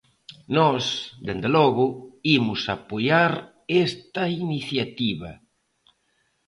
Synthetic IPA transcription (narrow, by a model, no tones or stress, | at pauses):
nɔsd̪end̪elɔɣʊimʊsapojaɾ | est̪ɐiniθjat̪iβɐ